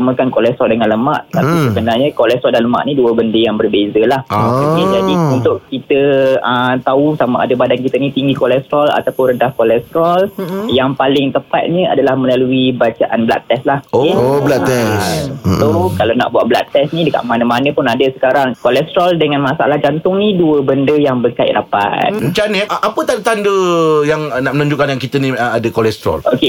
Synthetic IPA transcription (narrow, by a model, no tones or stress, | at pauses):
aməkankolɛst̪ɾɔldəŋãnləma̰ʔt̪apisəbənarɲəkolɛst̪ɾɔldanləma̰ʔniduəbəndəjaŋbərbezəlahəkid͡ʒadiunt̪ʊʔkit̪əət̪ausamaʔa̰dəbadankit̪ənit̪iŋɡikolɛst̪ɾɔla̰t̪apʊnrəndahkolɛst̪ɾɔljaŋpalɪŋt̪əpat̪̚ɲəa̰dalahməlaluibat͡ʃaʔanbla̰ʔt̪ːɛslahoblaɛssokalana̰ʔbuat̪̚bla̰ʔt̪ɛsnidəka̰ʔmanəmanə̃pʊnadəsə̥kaɾaŋkolɛst̪ɾɔldəŋãnmasaʔa̰lahd͡ʒant̪ʊŋniduəbəndəjaŋbərkaɪ̰ʔɾapa̰t̪̚mə̃ɲt͡ʃanəʔʔapət̪adət̪andəjaŋnaʔmənũɲd͡ʒukanjaŋkit̪ənĩadəkolɛst̪ɾɔ̰lʔoke